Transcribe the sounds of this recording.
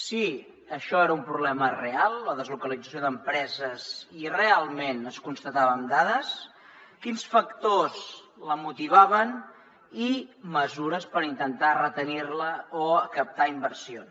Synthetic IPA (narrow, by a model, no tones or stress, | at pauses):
si | əʃɔeɾəumpɾuβlɛmərealˠːəðəzlukəlid͡zəs̬joðəmpɾɛzəzirealˠmenəskunst̪ət̪aβənd̪aðəs | kinsfəkt̪os | ləmut̪iβaβən | iməzuɾəspəɾint̪ənt̪arət̪əniɾləoəkəp̚t̪aimbəɾsions